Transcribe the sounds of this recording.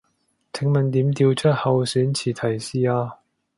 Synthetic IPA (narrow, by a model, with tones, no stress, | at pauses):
t͡sʰɪ˨˥ŋmɐ˨nt̪iː˨˥mt̪iː˧wt͡sʰɐ˥t̚hɐ˨wsyː˨˥nt͡sʰiː˨˩t̪ʰɐ˨˩jsiː˧aː˧